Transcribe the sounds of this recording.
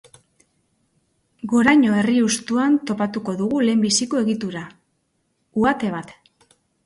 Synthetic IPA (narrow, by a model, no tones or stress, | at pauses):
ɡo̞ɾajɲo̞e̞riust̪uant̪o̞pat̪uko̞ðuɣule̞ːmbisiko̞e̞ɣit̪uɾa | uat̪e̞β̞at̪